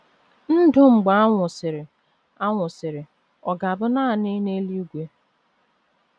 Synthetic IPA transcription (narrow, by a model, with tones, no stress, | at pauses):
n̩˦dʊ˦ŋ͡m̩˨ɡ͡ba˨˦a˦ŋʷʊ˨sɪ˨ɾɪ˨ | a˦ŋʷʊ˨sɪ˨ɾɪ˨ | ɔ˨ɡa˨a˨bʊ˦naː˦˨nɪ˦ne˦li˦u˦ɡʷe˦